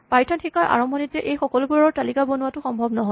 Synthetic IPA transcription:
pajtʰɔnxʰikajʔa̰ɹɔmbʱɔnitːɛʔejxɔkɔlʊbuɹɔɹɔɹtalikabonwatʊxɔmbʱɔbnɔɦɔ

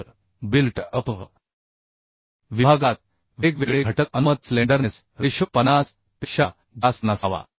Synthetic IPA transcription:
ɾ | bilʈəpə̰ | ʋibʱaɡat̪̚ | ʋekʋeɡɭeəʈək̚ənmət̪̚slẽɳɖəɾnes | ɾeɕəpənas | t̪iɕa | d̪asnasaʋa̰

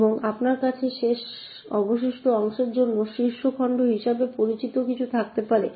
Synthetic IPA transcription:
boŋapnaɾkat͡ɕʰeʃeʃ | ɔboʃ̬iʃʈʰoɔŋʃeɾd͡ʑonːoʃiɾʃokʰɔɳɖoɦiʃabepoɾit͡ɕit̪okit͡ɕʰut̪ʰak̚t̪epaɾe

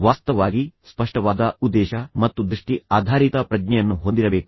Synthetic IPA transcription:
ʋaːst̪ɐʋaːɡispɐʂʈɐʋaːd̪ɐud̪ːɛːʃɐmɐt̪ːud̪ɾiʂʈiaːd̪ʱaːɾit̪ɐpɾɐd͡ʒnɛjɐnːuɦond̪iɾɐbeːku

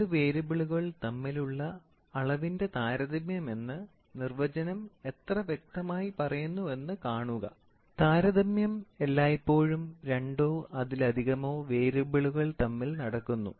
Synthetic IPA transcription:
ɨʋe̞ːɾubiɭuɣɐɭt̪ɐmːiluɭːɐː | ɭɐʋinde̞t̪aːɾɐðɐmjɐme̞nːɨ | nirʋɐd͡ʑɐnɐme̞t̪rɐʋjek̚t̪ɐmaːjipɐrɐjunːue̞nːɨkaːɳuɣɐ̰ | t̪aːɾɐðɐmjɐme̞lːaːjipːo̞ːɻumɾe̞ɳɖo̞ːʔɐðilɐd̪ʱiɣɐmo̞ːʋe̞ːɾubiɭuɣɐɭt̪ɐmːilnɐɽɐkːunːṵ

